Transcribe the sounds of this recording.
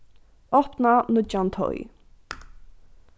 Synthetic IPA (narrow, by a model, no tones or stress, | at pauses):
ɔpnanʊt͡ʃant̪ʰɔ̰j